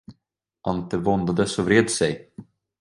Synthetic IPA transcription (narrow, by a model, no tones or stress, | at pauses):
ʔant̪əvɔnd̪ad̪əsɔvɾeːd̪sɛj